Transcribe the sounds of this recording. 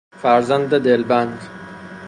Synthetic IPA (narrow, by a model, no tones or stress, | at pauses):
faɾzand̪ːɐd̪eːlband̪